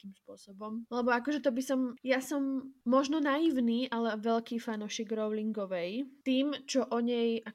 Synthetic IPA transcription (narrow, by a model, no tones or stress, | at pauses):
kimspʊɔsɔbɔmlɛbɔakɔʒɛt̪ɔbisɔmjasɔmːɔʒnɔnaiʊniːʔalɛʋɛʎkiːfanuːʃiːɡɾɔʊliŋɡɔʋɛjt̪iːmt͡ʃɔʔɔɲɛjʔa